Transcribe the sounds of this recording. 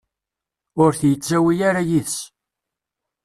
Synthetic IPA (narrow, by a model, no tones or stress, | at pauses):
ʊɾθjət͡sːæwijaɾajiθs